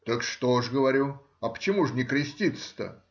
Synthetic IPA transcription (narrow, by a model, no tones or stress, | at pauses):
t̪əkʂt̪oʂɡəvɐɾʲu | ɐpə̥t͡ɕɪmuʐnʲɪkɾʲɪsʲtʲit̪sə̥t̪ə̰